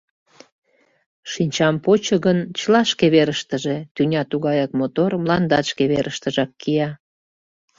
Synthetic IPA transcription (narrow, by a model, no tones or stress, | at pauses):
ʃinʲt͡ɕɑmpot͡ɕəɣənt͡ɕəlɑʃkeβeɾəʃt̪əʒet̪ynʲɑt̪uɣɑjɑkmot̪ormlɑnd̪ɑʃkeβeɾəʃt̪əʒɑkːijɑ